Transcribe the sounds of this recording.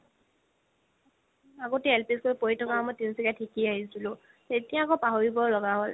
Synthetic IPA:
aɡoteelpiskoɹipoɹitʰɔkamɔjtinsikatʰikiaɦisilʊ̃ | etijãkɔpaɦoɹibɔlɔɡaɦol

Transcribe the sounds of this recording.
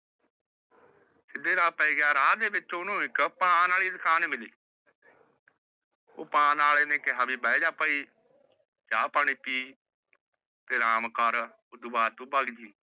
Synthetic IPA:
sɪd̪eːɾaːpəiːɡaːɾaːd̪eːbɪt͡ʃːʊnũːɪkpə̃aːnaːɭiːd̪əkʰaːnmɪliː | o̰ːpãːnaːleːneːkeɦaːbiːbaːeːd͡ʒaːpəiː | d͡ʒaːpaɳ̃iːpiː | t̪eːɾaːmkəɾ | ʊd̪baːt̪ũːbaːɡd͡ʒiː

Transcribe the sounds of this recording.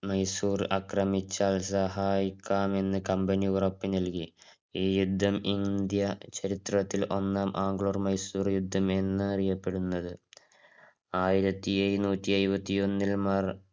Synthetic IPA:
mɐjsuːrɨʔɐkrɐmit͡ɕːaːlsɐɦaːjikʲːaːme̞nːɨkɐmbɐniurɐpːinɐlki | iːjud̪ʱːɐmind̪jɐt͡ɕɐɾit̪rɐt̪ːilʔo̞nːaːmʔaːŋɡɭoːrmɐjsuːrjud̪ʱːɐme̞nːɨɐrijɐpːe̞ɽunːɐðɨ | aːjiɾɐt̪ːiejnuːtʲːiɐɾubɐt̪ːio̞nːilmɐr

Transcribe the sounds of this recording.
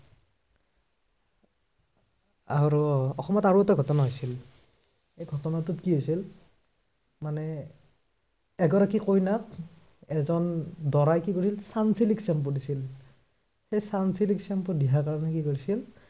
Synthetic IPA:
aɹuɔxɔmɔtaɹuɛtaɡʱɔtɔnaɦojsil | ejɡʱɔtɔnatʊtkiɦojsil | manɛ | ɛɡɔɹakikojnat | ɛzɔndɔɹajkikoɹisilsansiliksɛmpɔdisil | xejsansiliksɛmpɔdijakaɹɔnɛkikoɹisil

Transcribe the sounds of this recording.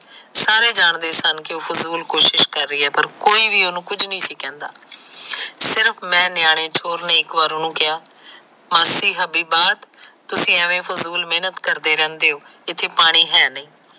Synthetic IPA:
saːɾeːd͡ʒaːɳd̪eːsənkɪoːpʰʊzuːlkoːʃɪʃkəɾːəiːɛːpəɾkoːiːʋiːonũːkʊd͡ʒnĩːsiːkɛ̃ːnd̪aː | sɪɾəpʰmɛ̃ːnɪjaːɽ̃eːt͡ʃʰoːɾneːɪkʋaːɾonũːkɪjaː | məsiːɦəbiːbaːd̪t̪ʊsĩːɛʋẽːpʰʊzuːlmeːnət̪kəɾd̪eːɾɛ̃ːnd̪eːɦoːɪt̪ʰːeːpaːɽ̃iːɦɛːnəĩː

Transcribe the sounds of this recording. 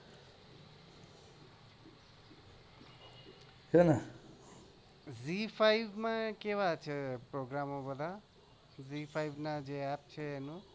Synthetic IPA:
ɦenʌ | zipʰajbmakeβat͡sʰeproɡɾamobʌd̪a | zipʰajbnad͡zeap̚t͡sʰeenu

